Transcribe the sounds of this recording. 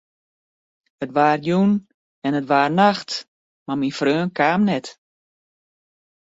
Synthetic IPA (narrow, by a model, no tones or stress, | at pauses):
ətʋaːrjun | ɛnətʋaːrnaxt | maminfrøːnkaːmnɛt